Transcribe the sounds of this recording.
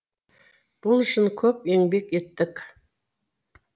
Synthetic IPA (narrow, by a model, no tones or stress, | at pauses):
b̥ʊlˠʏʃɪnkʲʰɵpe̞ŋbe̞ke̞t̪ːɪk